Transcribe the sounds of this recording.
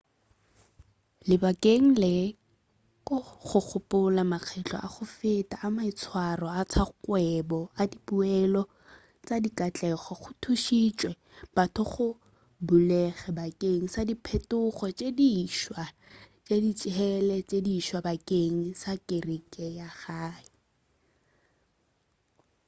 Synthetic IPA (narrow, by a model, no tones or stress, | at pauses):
lɪbakʼeŋ̩lɪ | kʼʊχʊk͡xʰʊpʼʊlamak͡xʰɛt͡ɬʰʼɔ̰ʔa̰χʊfɪtʼaʔːmaɪt͡sʰwarɔat͡sʰakwɛbɔadipuɛlɔ | t͡sʼadikʼat͡ɬʼɛχɔχʊtʰuʃit͡ʃʼwɛ | b̥atʰʊχʊ | bulɛχɛbakʼeŋ̩sadipʰɛtʼʊχɔt͡ʃʼediʃwa | t͡ʃʼedit͡ʃʼɦɛlɛt͡ʃʼediːʃwabakʼeŋ̩sakʼɪrikʼɛjaχaːɪ